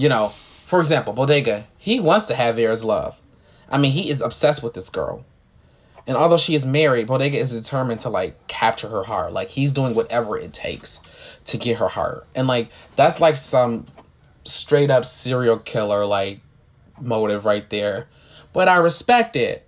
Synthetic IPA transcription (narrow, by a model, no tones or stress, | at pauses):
jɨñoʊ | fə˞ɨɡzæ̃mpl̩ˠbodeɪɡɨhiwɑ̃ntstʰɨɨvðə˞ɨzlʌ̰v̥ | ʔaɪmĩniɨzəb̥sɛst̚wəðɪsɡ̥ɜ̰˞lˠ | ɨ̃nɔlˠðoʊʃiɨzmɛɹid̚bolˠdeɪɡɨɨzdɨtʰɜ˞mɨ̃ntʰəlaɪkʰæp̚t͡ʃə˞ə˞ɦɑ̰ɹt̚la̰ɪkhizduɪ̃ŋwʌɾʔɛvə˞ɪ̰tʰḛɪks | tʰɨɡɪt̚hə˞hɑ̰ɹt̚ʔɨ̃nlaɪk̚ðætslaɪksʌ̃m | stɹ̥eɪɾʌpsɪɹil̩ˠkʰɪlˠə˞laɪk̚ | moʊɾɨvɹaɪt̪̚ðə˞ | b̥ʌɾaɪɹɨspɛk̚tɪ̰t̚